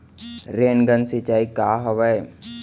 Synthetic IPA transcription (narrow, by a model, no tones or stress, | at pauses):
ɾeːnɡənsit͡ʃaːikaːɦɐʋəe